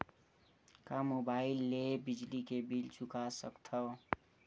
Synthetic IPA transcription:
kamobaːɪilːeɦbid͡ʒlikebilt͡ʃʊkasəkt̪ʰə

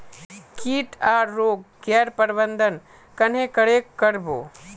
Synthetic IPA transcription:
kiːʈaːɾːoːɡɡɛːɾpəɾbə̃nd̪ʱən | kɐnɦẽkəɽeːkkːəɾbo̰ː

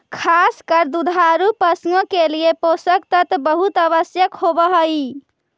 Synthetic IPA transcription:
kʰaskəɾd̪ud̪ʱaɾupəsŋokelijeposəkt̪ət̪bəɦut̪əβəsjəkɦobəɦəji

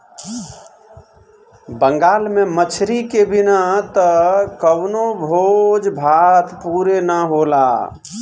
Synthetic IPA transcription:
bəŋɡaːlmẽmət͡ʃʰɾikebɪnat̪əkəwnobʱod͡ʒbʱat̪ʰpuɾenəɦola̰

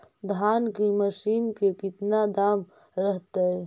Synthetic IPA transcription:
d̪ʱaːnkimɐʃiːnkekɪt̪nad̪aːm | ɾɐɦt̪aɦɛ

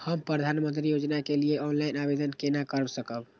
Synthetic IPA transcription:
həmpɾəd̪ʱanmənt̪ɾijod͡ʒnakelijeɔnlainabed̪ənkenakəɾəsəkəb

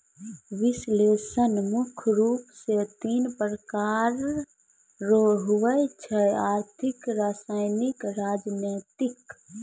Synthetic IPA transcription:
ʋɪsleːsənmʊkʰɾuːpset̪iːnpɾəkaːɾː | oɦʊʋət͡ʃʰɛaːɾt̪ʰɪkɾaːsaːɪnɪkɾaːd͡ʒneːt̪ɪk

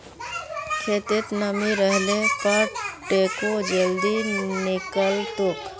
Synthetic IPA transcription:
kʰeːt̪et̪nəmiɾəɦlẽpəɾʈeːkod͡ʒəld̪inɪkəlt̪oːk

